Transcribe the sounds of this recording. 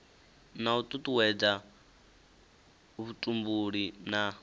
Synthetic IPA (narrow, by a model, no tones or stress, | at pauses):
nautʼutʼuwɛd͡za | βutʼumbuɺina